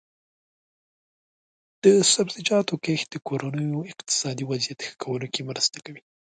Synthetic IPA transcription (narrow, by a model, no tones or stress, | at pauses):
d̪̥əsabzɪd͡ʒɑt̪okexd̪̥əkoɾanəjoɪqt̪ɪ̥sɑd̪iwazijat̪xə̥kʰawəlokemɾəst̪akawi